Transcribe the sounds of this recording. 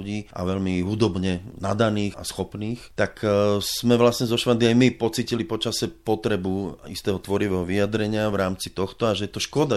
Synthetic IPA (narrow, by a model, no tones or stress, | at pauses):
uɟiːʔa̰ʋɛlmiɦud̪ɔbɲɛnad̪aniːxa̰sxɔpniːxt̪aksz̥mɛʋlasɲɛzɔʃʋand̪iajmipɔt͡siːcilipɔt͡ʃasɛpɔt̪ɾɛbuḭst̪ɛːɦɔt̪ʋɔɾiʋɛɦɔʋijad̪ɾɛɲɪaʋɾaːmt͡sit̪ɔxt̪ɔaʒɛjɛt̪ɔʃkɔd̪a